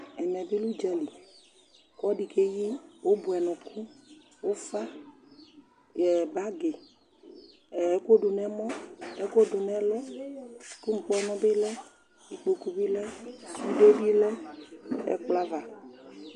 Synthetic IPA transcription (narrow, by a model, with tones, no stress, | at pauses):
ɛ˨mɛ̃˨bi˦lu˦d͡ʒɛ˦li˨ | kɔ˦ɖi˨ke˦ji˦wo˦bu˨ɛ˨nɔ̃˨kʰu˦ | wo˦fa˦ | jɛ˨ba˦ɡe˨˦ | ko˦ɖo˨nɛ˦mɔ̃˦ɛ˦ko˦ɖo˨nɛ̃˦lɔ˦˨ | ku˦ŋ̩˨k͡pɔ˦nɔ̃˦be˦lɛ˦ | i˨k͡po˨ku˨bi˦lɛ˦u˦ɖe˦bi˦lɛ˦ | ɛ̰˦k͡pla˦va˨